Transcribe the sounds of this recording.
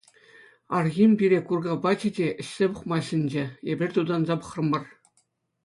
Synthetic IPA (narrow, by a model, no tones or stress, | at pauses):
ɑrɣʲimʲbʲiɾʲekurɡɑbɑt͡ɕidʲeʔɘ̆ɕʲsʲepŭχmɑɕʲɘ̆nʲd͡ʑĕebʲɘ̆rʲt̪ud̪ɑnzɑpɤ̥̆χrɤ̆mːɤ̆r